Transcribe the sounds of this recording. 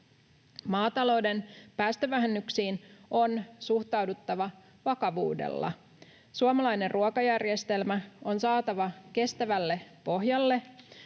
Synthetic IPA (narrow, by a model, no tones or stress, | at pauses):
mɑːt̪ɑlo̞wde̞npæːst̪øʋæɦenːyksiːno̞nsuht̪ɑwdut̪ːɑʋɑ | ʋɑkɑʋṵːdḛlːɑ̰ | suɑmɑlɑjnerrʔuokɑjærje̞st̪e̞lmæo̞nsɑːt̪ɑʋɑke̞st̪æʋælːe̞po̞ɦjɑlːe̞